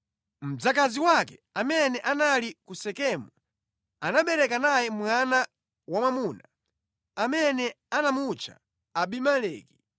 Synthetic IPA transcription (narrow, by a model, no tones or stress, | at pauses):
m̩d͡zakaziwakɛamɛnɛʔanalikusɛkɛmu | anaɓɛɾɛkanajɛm̩wana | wamwamuna | amɛnɛ | anamut͡ʃʰa̰ | aɓimalɛːki